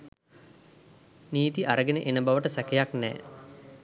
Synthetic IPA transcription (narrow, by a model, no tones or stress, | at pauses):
niːt̪iʔaɾəɡenəʔenəbaʋəʈəsækejaknɛ̰ː